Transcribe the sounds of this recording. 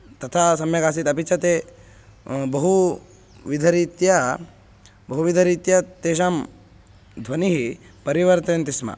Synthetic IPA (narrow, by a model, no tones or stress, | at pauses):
t̪ɐt̪ʰaːsɐmjɐkaːs̬it̪ɐpit͡ʃʰɐt̪eː | bɐɦu | ʋid̪ʱɐɾiːt̪jɐ | bɐɦuʋid̪ʱɐɾiːt̪jɐt̪eːʃaːm | d̪ʱʋɐniɦipɐɾiʋɐɾt̪ɐnt̪ismɐ̰